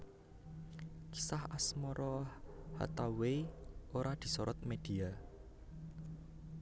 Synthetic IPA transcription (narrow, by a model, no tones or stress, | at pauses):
ki̥sahasmɔɾʔɔha̰t̪aweoɾad̪̥i̤sɔɾɔt̪̚med̪̥i̤a